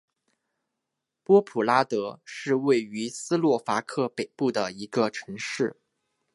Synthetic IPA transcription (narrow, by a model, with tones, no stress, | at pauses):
pwɔ˥pʰu˨˩la˥t̪ɤ˧˥ʂɻ̩˥˧we˥˩ɪy˧˥sɹ̩˥lwɔ˥˩fa˧˥kʰɤ˥˩pe˨˩ɪpu˥˩d̪ə˩i˧˥ɡə˧ʈ͡ʂʰɤ˧˥ŋʂɻ̩˥˩